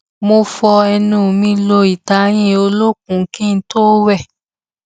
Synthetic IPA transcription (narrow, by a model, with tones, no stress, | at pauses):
mo˧fɔ˧ɛ˧nũː˨mĩ˧lo˧i˨ta˨˧j̃ĩ˦o˧lo˦k̚ũ˨˦kĩ˦n̩˦toː˦wɛ˦˨